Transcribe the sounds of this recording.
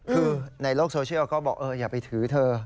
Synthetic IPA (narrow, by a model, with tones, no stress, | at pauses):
kʰɯː˧na˧jloː˥˩k̚soː˧t͡ɕʰi˥˩˥kɔː˥˩bɔː˨˩k̚ʔɤː˧jaː˨˩pa˧jt̪ʰɯː˩˦t̪ʰɤː˧